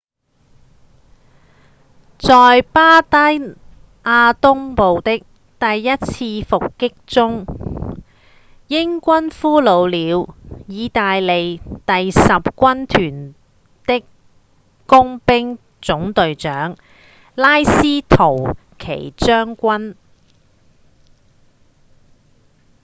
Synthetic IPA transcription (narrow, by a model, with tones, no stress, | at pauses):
t͡sɔː˨jpaː˥t̪ɐ˥j | ʔaː˧t̪ʊ˥ŋpo˨wt̪ɪ˥k̚ | t̪ɐ˨jːɐ˥t̚t͡sʰiː˧fʊ˨kːɪ˥k̚t͡sʊ˥ŋ | jɪ˥ŋkʷɐ˥nfuː˥lo˨˧wliː˨˧wjiː˨˧t̪aː˨jle˨jt̪ɐ˨jsɐ˨p̚kʷɐ˥nt̪ʰyː˨˩n | t̪ɪ˥k | kʊ˥ŋpɪ˥ŋ | t͡sʊ˨˥ŋt̪ɵ˨ɥt͡sœː˨˥ŋ | laː˥jsiː˥t̪ʰo˨˩w | kʰḛ˨˩jt͡sœː˥ŋkʷɐ˥n